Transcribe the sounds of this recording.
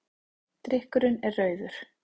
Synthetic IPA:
t̪ɾɪhkʏɾʏnɛrœːɥðʏɾ̥

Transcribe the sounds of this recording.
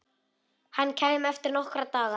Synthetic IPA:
hanːcʰɛːjmɛft̪ɪɾnɔhkɾat̪aːɣa

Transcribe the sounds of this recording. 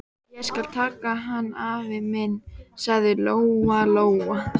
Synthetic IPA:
jɛɣskal̥t̪ʰaːkaɦanːavɪðmɪnːsaɣðɪloːwaloːwa

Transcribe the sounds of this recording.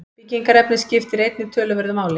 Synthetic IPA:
piciŋkaɾɛpnɪscɪft̪ɪɾejt̪nɪt̪ʰœːlʏvɛɾðʏmaːwlɪ

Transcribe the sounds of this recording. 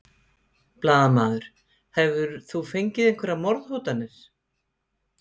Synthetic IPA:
plaːðamaːðʏɾ̥ | hɛvðʏɾθufejɲcɪðejŋkvɛɾamɔɾðhowt̪anːɪɾ̥

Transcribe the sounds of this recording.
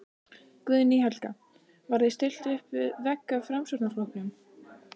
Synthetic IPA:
kvʏðniɦɛlka | vaɾðest̪ɪl̥t̪ʏhpvɪðvɛkːafɾamsœɾt̪naflɔwknʏm

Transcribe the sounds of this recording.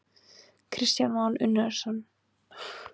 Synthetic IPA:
kʰɾɪst̪janmanʔʏnːɛ̥sɔnː

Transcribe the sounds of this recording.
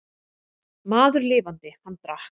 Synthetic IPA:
maːðʏɾlɪːvant̪ɪhanːt̪ɾah

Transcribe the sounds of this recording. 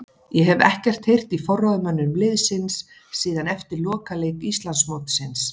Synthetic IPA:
jɛɦɛvɛ̰hcɛr̥t̪hejr̥t̪ifɔrɔðmœnːʏmlɪðsɪnsː | iːðanɛft̪ɪɾlɔːkalejkist̪lansmoːt̪sɪns

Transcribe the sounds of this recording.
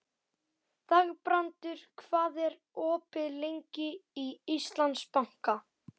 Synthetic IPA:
θaɣpɾant̪ʏɾ̥kʰvaːðɛɾ | ɔːpɪlejɲcɪiist̪lant̪spawŋ̥ka

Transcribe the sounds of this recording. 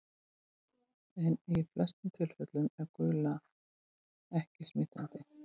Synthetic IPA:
ɛniflɛst̪ʏmt̪ʰɪl̥fœt̪lʏmɛɾkʏːla | ɛhcɪsmɪːt̪ant̪ɪ

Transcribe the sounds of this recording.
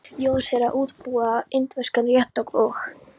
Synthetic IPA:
jɔ̥sɛɾaʔuːt̪puːaɪnt̪vɛskanrjɛht̪ːɔkɔx

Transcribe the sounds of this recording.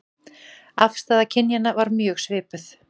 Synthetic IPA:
afst̪aːðacʰɪnjanavaɾmjœːɣsvɪːpʏθ

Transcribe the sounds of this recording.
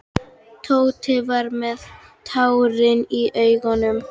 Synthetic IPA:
t̪ʰowt̪ʰɪvaɾmɛðt̪ʰawɾɪniʔœɥɣɔnʏm

